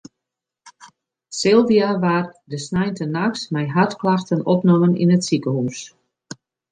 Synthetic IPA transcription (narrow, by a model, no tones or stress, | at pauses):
sɪlˠviaʋardəsnɛjntənaksmɛjɦatklaxtənɔpnɔmənḭnətsikəhus